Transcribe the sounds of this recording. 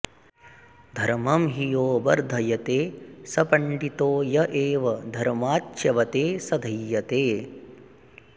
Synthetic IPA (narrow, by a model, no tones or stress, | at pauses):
d̪ʱɐɾmɐmɦijoːbɐɾd̪ʱɐjɐt̪eːsɐpɐɳɖit̪oːjɐʔeːʋɐd̪ʱɐɾmaːtːʃɐʋɐt̪eːsɐd̪ʱɐjːɐt̪eː